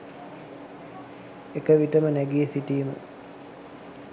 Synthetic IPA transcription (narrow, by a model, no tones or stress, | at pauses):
ekəʋiʈəmənæɡiəsiʈiːmə̰